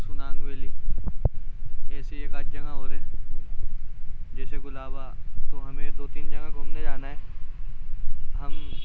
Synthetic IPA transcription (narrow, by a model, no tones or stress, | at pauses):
sʊnaːnʋeli | ɛːseekaːd͡ʒd͡ʒɐŋaɦoːɾɛː | d͡ʒɛːseɡʊlaːbat̪oɦɐmẽt̪ot̪iːnd͡ʒɐŋãkoːmnẽd͡ʒaːnaɦɛː | ɦɐm